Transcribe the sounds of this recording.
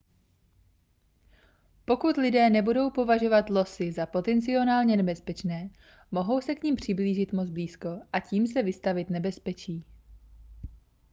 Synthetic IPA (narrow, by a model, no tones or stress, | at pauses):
po̞kut̪lɪdɛːnɛbudo̞wpo̞vaʒo̞vat̪lo̞sɪzapo̞t̪ɛnt͡sɪo̞naːlɲɛnɛbɛspɛt͡ʃnɛː | mo̞ɦo̞wsɛkɲimpr̝̥ɪbliːʒɪt̪mod͡zbliːsko̞ʔaciːmsɛvɪst̪avɪt̪nɛbɛspɛt͡ʃiː